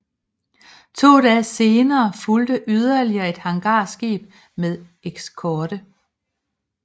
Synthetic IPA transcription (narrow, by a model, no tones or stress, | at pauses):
t͡sʰo̝̰ːdɛːse̝ːnɐːfuld̥əʔyð̞ˠɐliɐe̝d̥hɑ̈ŋɡ̥ɑ̰̈ːsɡ̥ḛːb̥̚ | meðˠ | eɡ̥skʰɒːɾ̥ə